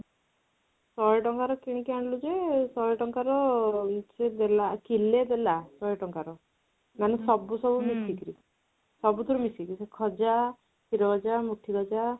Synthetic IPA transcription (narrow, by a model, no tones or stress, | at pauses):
sɔjɔʈɔŋkaɾɔkiɽ̃ikiaɳɖlud͡ʒesɔjɔʈɔŋkaɾɔsed̪elakiled̪elasɔeʈɔŋkaɾɔ | manɔsɔbusɔbumisikɾi | sɔbut̪uɾumisikɾisekʰɔd͡ʒa | kiɾɔɡɔd͡ʒamuʈʰiɡɔd͡ʒa